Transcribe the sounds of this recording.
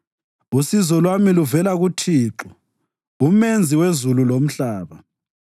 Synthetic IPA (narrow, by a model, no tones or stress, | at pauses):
usizɔlwamiluvɛlaɣutʰiːǁu | umend͡zʱiwezululom̩ɬaːβa